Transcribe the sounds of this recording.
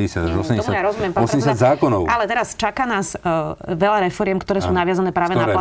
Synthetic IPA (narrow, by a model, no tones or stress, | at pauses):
ɛsad̪aʒɔsɛmɲɔsjajaɾɔzumjɛmpaɔsɛmɟɛsjad̪zaːkɔnɔʊʔalɛt̪ɛɾast͡ʃakaːnaːzʋɛʎaɾɛfɔɾɪɛmkt̪ɔɾɛːsuːnaʋɪazanɛːpɾaːʋɛnaa